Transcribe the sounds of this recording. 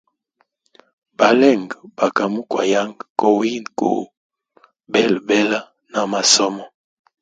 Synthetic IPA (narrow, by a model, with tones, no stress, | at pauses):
ba˨lɛ˦˨ŋɡba˨ka˨mu˦kwa̰˨ja˦ŋɡko˨wi˦nko̰˨ | bɛ˦˨lbɛ˦la˦ | na˨ma˨sɔ˦mɔ˦